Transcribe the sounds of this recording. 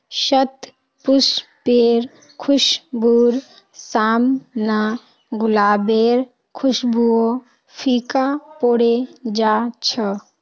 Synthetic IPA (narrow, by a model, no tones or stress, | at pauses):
ʃət̪ | pʊspeːɾ | kʰʊʃbuːɾ | saːmna | ɡʊlaːbeːɾ | kʰʊʃbuo | pʰiːkapoːɽed͡ʒaːt͡ʃʰə